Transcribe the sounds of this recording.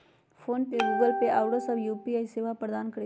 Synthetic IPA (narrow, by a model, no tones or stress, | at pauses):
fʰoːnpeɡuːɡəlpeʔaːʊɽəsɐbjuːpiaːiseːʋapɐɾd̪aːnkɐɾe